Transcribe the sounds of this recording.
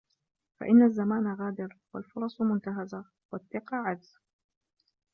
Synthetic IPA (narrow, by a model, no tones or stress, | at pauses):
fa̰ʔɪnːazːamaːnaɣaːd̪ɪɾwalfʊɾˤɑsˤmʊnt̪aɦaza | waθːɪqɑːʕad̪z